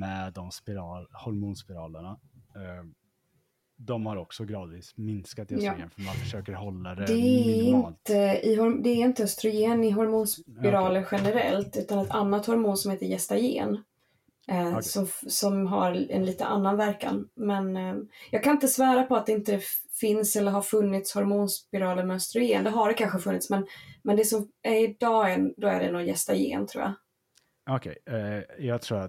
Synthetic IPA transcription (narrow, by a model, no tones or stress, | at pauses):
mɛd̪ɔmspɪɾɑːhɔɾmuːnspɪɾɑ̰ːləɳa | d̪ɔmhaɾɔksɔɡɾɑːd̪viːsmɪnskat̪jnfmanfœʂøːkəɾhɔlːad̪ɛd̪ɛɪnt̪əɪɦɔɾd̪ɛːɾɪnt̪əœst̪ɾʊjeːnɪɦɔɾmuːnspɪɾɑːləɾɧɛnəɾɛ̰lt̪ʉ̟ːt̪anɛt̪ʰanːat̪hɔɾmuːnsɔmheːt̪əɾjɛst̪ajḛːn | sɔmsɔmɦa̰ɾɛ̰nliːt̪əʔa̰nːanvæɾka̰nmɛnjɑːɡ̚kʰanɪnt̪əsvɑːɾapɔat̪̚d̪ɛɪnt̪əd̪ɛ | fɪnsɛlːəɾɦaɾfɵnːɪt̪shɔɾmuːnspɪɾɑːləɾmɛœst̪ɾʊjeːnd̪ɛɦaɖɛkʰanɧəfɵnːɪt̪smɛnmɛnd̪ɛsɔmæɾɪd̪ɑːɛnd̪ɔæ̰ɖɛnɔjɛst̪ajḛːnt̪ʰɾṵːja̰ | ɔkʰɛjɑt̪ʰɾṵː